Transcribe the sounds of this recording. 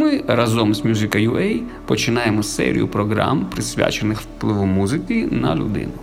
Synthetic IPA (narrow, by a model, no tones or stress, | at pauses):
mɨɾɐzɔmsʲmʲjuzɨkɐjuʔɛj | pɔt͡ʃɪnajɛmɔsɛ̰ɾʲɪ̰jʊ̰pɾɔɡɾa̰mpɾɪsʲʋʲa̰t͡ʃɪnɨxfplˠɨʋɔmuzɨkʲinɐ̰lʲʊ̰d̪ɪ̰nʊ